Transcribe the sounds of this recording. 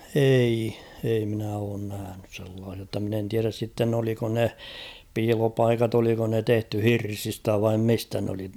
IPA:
ei ei minæ oːn næhænys selːɑːsiɑ tːɑ min en tiæræs sitːen oliko ne piːlopɑikɑt oliko ne tehty hirsistæ ʋɑim mistæ n oli

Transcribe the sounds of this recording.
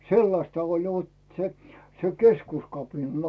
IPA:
selːɑstɑ olʲ ʋot se se keskuskɑpinɑn

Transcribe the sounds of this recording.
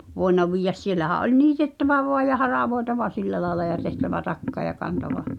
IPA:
ʋoenːɑ ʋiːjːæs sielːæhæʔ ʔolʲ niːtetːæʋæ ʋoɑj̆ jɑ hɑrɑˑʋoetɑʋɑ siliæ lɑelɑ jɑ tehtæʋæ tɑkːɑ jɑ kɑntɑʋɑ

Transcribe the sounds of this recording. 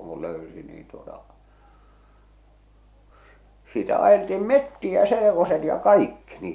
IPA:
ku løysi niːn tuotɑ s sitæ ɑjeltiːm metːiæ selekoset jɑ kɑikːi ni

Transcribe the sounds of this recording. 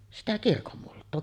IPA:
no sitæ kirkomːultˑoː

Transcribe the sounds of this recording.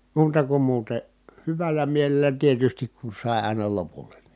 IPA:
muːtɑ kum muːte hyʋælˑæ mielelˑæ tietystik ku sɑˑi̯ ɑˑi̯nɑ lopulˑe̥ n̥i̥

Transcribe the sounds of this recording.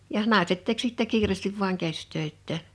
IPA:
jɑh nɑˑeset tek sitːæ kiːreˑstiʋ ʋuɑŋ kæstøitːæː

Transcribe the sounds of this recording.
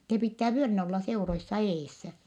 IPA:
se pitːæː ʋyølinæ olːɑ seuroisːɑ eːsːæ

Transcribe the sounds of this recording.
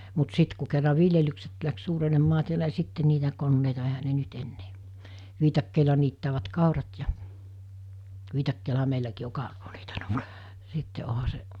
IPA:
mut sit ku kerːɑ ʋiljelykset læks suːrenemːɑː tiælæ ni sitːe niːtæ konːeitɑ ehæ ne nyt enːeː ʋiːtɑkːeˑilɑ niːtːæːʋæt kɑˑurɑt jɑ ʋiːtɑkːeːlɑɦɑ meilækiː o kɑˑuroː sitːe ohɑ se

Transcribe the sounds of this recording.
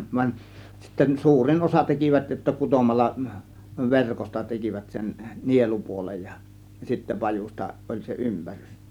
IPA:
ʋɑnʲ sitːen suːrin osɑ tekiʋæt jotːɑ kutomɑlːɑ ʋerkostɑ tekiʋæt sen nielupuolej jɑ sitːæ pɑjustɑ ʔolʲ se ympærys

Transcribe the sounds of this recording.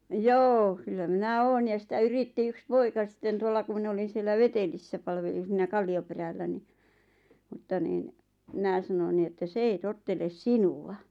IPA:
joː kylːæ minæ oːn jɑ sĭtæ yritːi yks poikɑ sĭtːen tuolːɑ ku min olin̞ sielːæ ʋetelisːæ pɑlʋelin̞ siːnæ kɑlːioperælːæ ni mŭtːɑ niːn mĭnæˑ sɑnon ni etːæ s ei totːeles sinuɑ

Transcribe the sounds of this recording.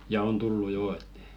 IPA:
jɑ on tulːu joː et

